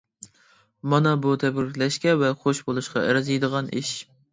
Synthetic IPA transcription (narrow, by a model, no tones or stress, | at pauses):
mɑnɑbut̪ʰɛbɾɪkʲlɛʃkʲɛvɛχoʃbolˠuʃqɑʔæ̰ɾɑzijd̪əʁɑnʔḭʃ